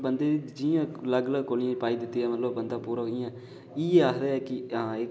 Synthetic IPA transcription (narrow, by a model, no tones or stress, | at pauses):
bənd̪eːid͡ʒiãːləɡləɡkoːlɪjãːpaːiːd̪ɪt̪ːiːɛːmət̪ləbbənd̪aːpuːɾaːɦoːɪãː | iːeːaːkd̪eːɛːkɪãːɪ